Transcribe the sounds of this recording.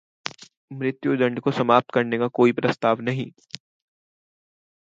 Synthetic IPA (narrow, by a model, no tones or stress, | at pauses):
mɾɪt̪jud̪ɐ̃ɳɖkosɐmaːp̚t̪̚kɐɾnekakoːipɾɐst̪aːʋnɐɦĩː